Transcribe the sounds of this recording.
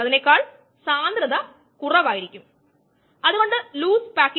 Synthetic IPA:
ɐðinekːaːɭ | saːnd̪ɾɐðɐ | kurɐʋaːjiɾikʲːum | ɐðuɣo̞ɳɖɨluːspaːkː

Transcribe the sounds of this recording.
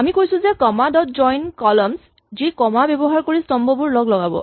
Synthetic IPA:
amikojsũzɛkɔmadɔtzɔjnkɔlɔms | zikɔmabjebɔɦaɹkoɹistɔmbɔbʊɹlɔɡlɔɡabɔ̰

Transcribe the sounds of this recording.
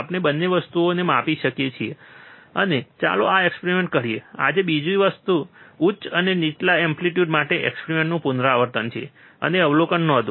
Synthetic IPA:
apnebənːeʋəst̪uonemapiʃəkjet͡ʃʰieənet͡ʃa̰lo̰aekspeɾimẽɳʈ̚kəɾiea̰d͡ʒebid͡ʒuiʋəst̪uut͡ʃəneniʈlaɛmpliʈjuɖmaʈeʔɛ̰kspeɾimẽɳʈnũpunɾaaʋəɾt̪ənt͡ʃʰiḛ | ə̰neəʋlokənːɔd̪ũ

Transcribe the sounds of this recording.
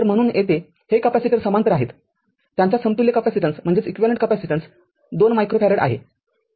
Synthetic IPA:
əɾm̤əɽ̃uːnjet̪e | hekəpæsiʈəɾsəmant̪əɾaɦet̪ | t̪ːjaɲt͡ɕasəmt̪uljəkəpæsiʈəɳsm̤əɳd͡zet͡sikʋiʋaləɳʈ̚kəpæsiʈəɳs | d̪onmajkɾopæɾeɽa̰ɦḛ

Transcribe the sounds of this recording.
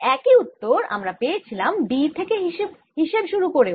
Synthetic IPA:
ɛkiut̪ːoɾa̰mɾapeet͡ɕʰilambiɾt̪ʰekeɦiʃeb | ɦiʃebʃuɾukoɾe

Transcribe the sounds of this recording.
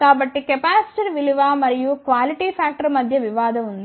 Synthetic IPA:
kaːbɐʈːikɛpaːsʈɐɾʋiliʋaːmɐɾijukʋaːliʈipʰaːk̚ʈɐɾmɐd̪ʱjɐʋiʋaːd̪ɐund̪

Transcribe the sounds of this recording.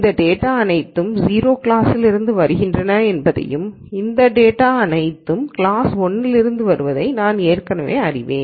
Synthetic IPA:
ɪnd̪ɐɖeːʈːaːɐnɐɪt̪ːɯmziːɾoːkɪlaːsɪlɪɾɯnd̪ɯʋɐɾɯɣɪndrɐnɐɛnbɐðɐ̰jɯm | ɪnd̪ɐɖeːʈaːɐnɐɪt̪ːɯmkɪlaːsɔnːɪlɪɾɯnd̪ɯʋɐɾɯʋɐðɐɪnaːneːrkɐnɐʋḛːɐrɪʋḛːn

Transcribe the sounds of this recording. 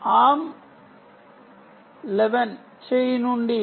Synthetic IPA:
aːm | lɛʋɐn | t͡ʃejnuɳɖi

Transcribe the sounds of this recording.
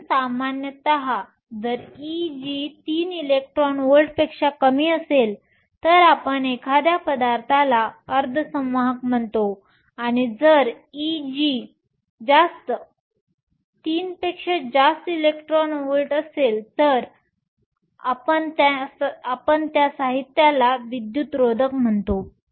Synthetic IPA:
samanjət̪əɦa | d͡zəɾid͡ʑit̪iːnilek̚ʈɾɔnʋəlʈpekʂakəmiːəsel | t̪əɾapəɳekʰad̪japəd̪aɾt̪ʰalaəɾd̪ʱəsəmʋəɦəkm̤əɳt̪o | aɽ̃id͡zəɾ | id͡ʑi | d͡zast̪ə | t̪iːnpekʂed͡ʑast̪ilekʈɾɔnʋəlʈəselt̪əɾ | a̰pəɳt̪aapəɳt̪jasaɦit̪jalaʋid̪jut̪ɾod̪ʱəkm̤əɳt̪o

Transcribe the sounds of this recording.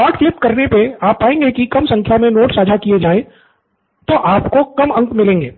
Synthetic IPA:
ɔːʈflɪpkɐɾnepeaːpːaːẽːŋɡekikɐmsɐ̃ŋkʰjamẽnoːʈsaːd͡ʒʱakied͡ʒaːẽ | t̪oʔaːpkokɐmɐ̃ŋkmɪlẽːŋɡeː

